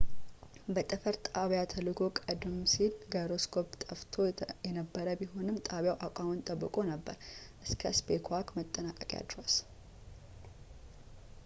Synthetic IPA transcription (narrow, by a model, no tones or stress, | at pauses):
bət̪ʼɨfəɾt̪ʼaβjat̪ʰəlɨɡʰokʼəd̪msilɡəɾoskʰo̞pt̪ʼəft̪ʰo̞jɛnəbːəɾəbiɦo̞nɨmt̪ʼaβjawʔakʷʼamɨnt̪ʼəbːɨkʼo̞nəbːə̰ɾʔɨskʰəsbekʰwakmət̪ʼːənakʼəkʼja̰d̪ɾos